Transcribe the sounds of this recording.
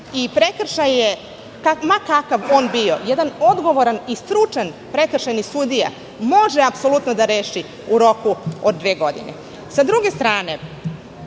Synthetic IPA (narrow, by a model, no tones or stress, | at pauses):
ipɾekr̩ʃaje | kamakakaʋo̞ːnbio̞jɛd̪ano̞d̪ɡo̞ʋo̞ɾanist̪ɾut͡ʂanpɾekr̩ʃajnisud̪ija̰ | mo̞ʒeapso̞lut̪nod̪aɾeːʃi | uɾo̞kuod̪̚ːʋeːɡo̞d̪ḭnḛ | sad̪ɾuɡe̞st̪ɾaːne̞